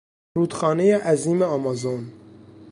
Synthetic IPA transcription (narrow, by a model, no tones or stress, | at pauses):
ɾuːt̪xɑːnejɑːʔæziːmeɑmɑzon